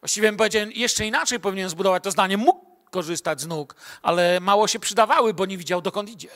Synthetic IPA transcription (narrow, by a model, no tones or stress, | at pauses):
vwaɕt͡ɕivʲjɛmp̬ɔvʲjed͡ʑawmjɛʂt͡ʂɛinat͡ʂɛjpɔvʲiɲɛnzbud̪ɔvat͡ɕ̚t̪ɔzd̪aɲɛmukː | ɔʐɘst̪ad͡ʑznukʔa̰lɛmawɔɕɛpʂɘd̪avawɘbɔɲɛvʲid͡ʑawd̪ɔkɔnt̪id͡ʑɛ